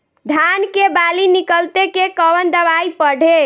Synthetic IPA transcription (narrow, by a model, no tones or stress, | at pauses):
d̪ʱankebalinikəlt̪ekekəʋənd̪əʋaipəɽ̤ʱe